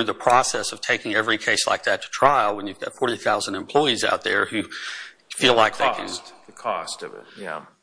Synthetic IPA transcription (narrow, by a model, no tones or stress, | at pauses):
ðəpʰɹ̥ɔsɛsʌv̥tʰeɪkɪ̃ŋɛvɹikʰeɪsla̰ɪk̚ðɨtʰə̥tʰɹ̥aɪl̩ˠwə̃njʉvɡɑ̰tfɔɹɾiθaʊz̃n̩dɨ̃m̩pʰl̥ɔɪiza̰ʊt̪̚ðə̰˞hʉ | filaɪk̚ðeɪkʰɨ̰̃nðkʰɔ̰stʌvɪ̰t̚jæ̰